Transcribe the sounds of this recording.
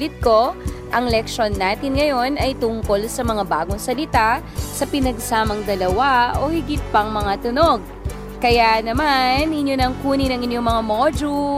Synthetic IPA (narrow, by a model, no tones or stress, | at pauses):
lɪt̪̚ko̞ʔɐŋlɛk̚ʃo̞nːaːt̪ɪnŋɐjo̞nɐjt̪ʊŋko̞lsɐmɐŋabaːɡoŋsɐlɪt̪a | sɐpɪnɐɡ̚saːmɐŋd̪ɐlɐwao̞hɪɡɪt̪̚pɐŋmɐŋat̪ʊnoɡ̚ | kɐjanɐmanɪnjonɐŋkuːninɐŋɪnjoŋmɐŋamod͡ʒu